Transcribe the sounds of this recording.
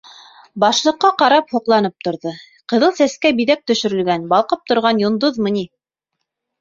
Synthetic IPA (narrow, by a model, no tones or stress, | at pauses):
bɑʃlˠɤ̆qːɑqɑɾɑphŏqlˠɑnɤp̚t̪ŏɾðɤ | qɤ̆ðɤlˠsæskæbiðæk̚t̪ɵ̆ʃɵ̆ɾɵ̆lɡænbɑlˠqɤp̚t̪ŏɾʁɑnjŏnd̪oðmɤ̆ni